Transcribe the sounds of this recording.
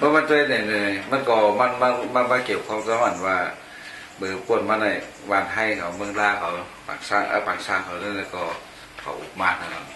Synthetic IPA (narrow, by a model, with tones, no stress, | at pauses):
bɔː˧˦ma˧˥˨nt͡ɕa˧e˧˩na˨˩jnɯ˧˩˨ma˧˥˨nkɔː˧˩ma˧˥˨na˧ma˧˥nbaː˧˩ki˨˩wkʰaː˧˨ka˧˨wa˨˩˨nwaː˧ | bɯː˨˩ku˧˩ət̚maː˧na˧˩ | waː˧˩nɦa˧˩jkʰa˨˩wmɯ˧˨ŋlaː˧˩kʰa˨˩wpa̰ː˨˩ŋsaː˧˩ŋʔa̰ː˧paː˨˩ŋsaː˧˩˨ŋkʰa˨˩wlɯː˧˥˨lɛː˧˩kɔː˧˩ | kʰa̰˨˦wʔṵ˨˧˩k̚maː˧˩n̚ha˧˩ka˨˩